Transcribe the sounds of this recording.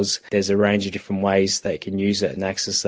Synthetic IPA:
z̥ðəzəɹẽɪ̃nd͡ʒəvdɪffɹə̃nʔweɪzðətɪʔkʰə̃njʉːzɪtə̰̃naksɛs

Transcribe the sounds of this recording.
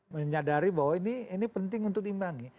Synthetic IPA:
məɲadaɾibawainiinipənt̪ɪŋunt̪ʊk̚imbaŋi

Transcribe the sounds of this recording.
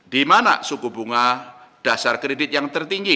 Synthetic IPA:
d̥imana̰sukubuŋad̥asarkɾedɪt̪̚jaŋt̪ərt̪iŋɡi

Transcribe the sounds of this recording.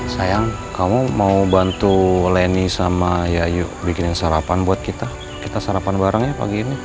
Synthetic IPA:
sajaŋ | kamumaubant̪ulenisamajajubikɪnɪnsaɾapanbuat̪̚kit̪a | kit̪asaɾapanbaɾaŋjapa̰ɡiːni

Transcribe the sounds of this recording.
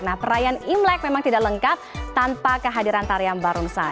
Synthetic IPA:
nahpəɾajanimlɛk̚memaŋt̪idaʔləŋkat̪̚t̪ːanpakəɦadiɾant̪aɾiambaɾuŋsa

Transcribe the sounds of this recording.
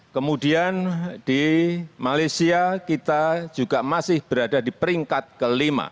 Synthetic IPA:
kəmudiand̥imalajsiakit̪ad͡ʒuɡamasɪhb̥əɾadadipəɾiŋkat̪̚kəlima̰

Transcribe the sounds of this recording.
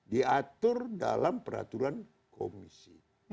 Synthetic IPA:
diat̪ʊrdalampəɾa̰t̪uɾan | komisi

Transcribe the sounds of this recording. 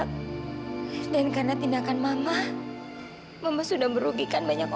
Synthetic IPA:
dankarnat̪indakanmama | mamasudahməɾuɡikanbaɲak

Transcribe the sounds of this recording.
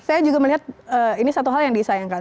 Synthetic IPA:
sajad͡ʒuɡaməliɦat̪̚əinisat̪uɦaljaŋdisajaŋkan

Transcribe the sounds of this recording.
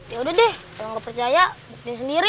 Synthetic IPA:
jaudɛhdɛhkalaŋɡapərt͡ʃajabuk̚t̪ɪnsəndiɾi

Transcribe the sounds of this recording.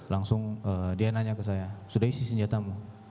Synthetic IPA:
laŋsʊŋədianaɲakəs̬ajasudaɦisisəɲd͡ʒat̪amu

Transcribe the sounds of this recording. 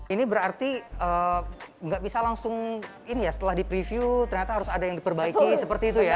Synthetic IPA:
inibəɾart̪iəːŋɡaʔbisalaŋsʊŋ | inijasə̥t̪əlahdipɾifiut̪ərɲat̪aɦaɾʊsadajaŋdipərbaikisəpərt̪iːt̪uja

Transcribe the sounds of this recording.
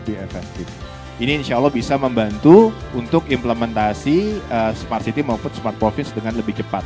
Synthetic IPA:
biefɛk̚t̪ɪf | iniːnʃaalːɔhbisaməmbant̪uunt̪ʊkimpləmɛnt̪asiəsmart̪sit̪iməumfʊt̪smart̪̚pɾofɪnsdəŋanləbɪht͡ʃəpat̪̚

